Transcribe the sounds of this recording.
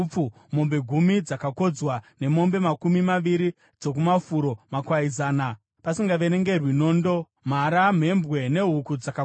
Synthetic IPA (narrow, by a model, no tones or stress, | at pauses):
p͡fu | mo̞mbe̞ɡʱumid͡zakako̞d͡zwane̞mo̞mbe̞makumimaʋiɾi | d͡zo̞k̬umafuɾo̞makwaizaːna | pasiŋɡaʋene̞ŋɡe̞rwinoːndo̞ | m̤aɾam̤e̞mbwe̞ne̞ɦukud͡zaka